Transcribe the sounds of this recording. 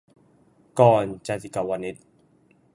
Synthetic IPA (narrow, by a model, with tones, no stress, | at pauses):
kɔː˧nt͡ɕa˧ti˧ka˨wa˧ni˦˥t̪̚